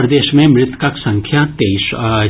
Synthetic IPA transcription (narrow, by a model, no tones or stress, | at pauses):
ɾɐd̪eːʃmẽmɾɪt̪kɐksɐ̃ŋkʰjat̪eːiʃ